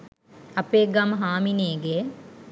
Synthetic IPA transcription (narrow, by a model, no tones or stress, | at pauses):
ɐpeːɡamɦaːmineːɡe